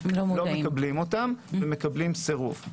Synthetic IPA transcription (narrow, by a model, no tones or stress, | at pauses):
lomlomekɐblimo̞t̪amveme̞kɐblimseʁṵv